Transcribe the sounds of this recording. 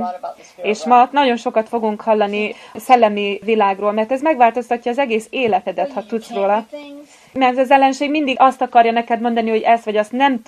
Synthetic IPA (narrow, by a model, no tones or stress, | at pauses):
eːʃmɒnɒɟo̞nʃo̞kɒt̪fo̞ɡuŋkhɒlːɒnisɛlːɛmivilaːɡroːlmɛrt̪ɛzmɛɡʋaːlt̪o̞st̪ɒcːɒːzɛɡeːseːlɛt̪ɛd̪ɛt̪hɒt̪ut̪sroːlɒ | mɛrzɛzɛlːɛnʃeːɡmind̪iɡɒst̪ɒkɒrjɒnɛkɛd̪mo̞nd̪ɒniho̞ɟɛst̪ʋɒɟɒst̪nɛm